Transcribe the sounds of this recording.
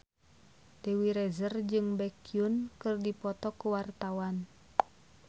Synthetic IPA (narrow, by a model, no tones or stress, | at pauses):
d̥ewiɾɛzərd͡ʒɨŋbɛkiunkɨrdipɔt̪ɔkuwart̪awan